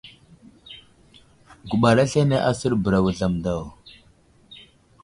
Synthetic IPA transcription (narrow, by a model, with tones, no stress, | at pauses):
ɡu˨ɓa˨ɾa˦ɬe˦ne˦ʔa˦sə˦ɾbə˨ɾa˨wu˨ɮa˨mda˦˨w